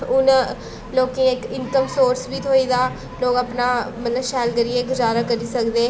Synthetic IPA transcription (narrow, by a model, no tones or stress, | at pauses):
ʊn | loːkĩːkɪnkəmsoːɾsbiːt̪ʰoːiːd̪aː | loːkəpnaːmət̪ləbʃɛːlɡəɾiːeːɡʊzaːɾaːkəɾiːsəkd̪eː